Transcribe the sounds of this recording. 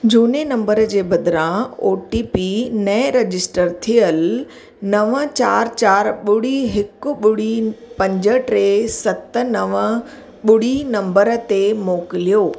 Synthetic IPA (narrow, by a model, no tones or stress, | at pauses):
d͡ʑuːnenɐ̃mbəɾd͡ʑeːbɐd̪ɪɾãoːʈipinɐɾɐd͡ʑɪsʈəɾt̪ʰijəl | nɐʋət͡ɕaːɾt͡ɕaːɾɓʊɽ̤iɦɪkʊ̆ɓʊɽ̤ipɐ̃ɲd͡ʑə̆ʈɾeːsɐt̪ə̆nɐʋə | ɓʊɽ̤inɐ̃mbəɾət̪emoːkɪlijoː